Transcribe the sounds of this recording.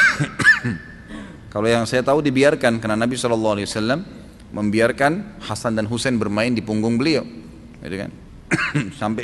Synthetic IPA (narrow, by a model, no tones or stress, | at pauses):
kalojaŋsajat̪audibiarkankərnanabisɔlɔlːɑhalewasalːamː | əmbiarkanhasandanɦusɛnbərmaɪndipuŋɡʊŋbəliaw | ḭt̪uka̰n | sampe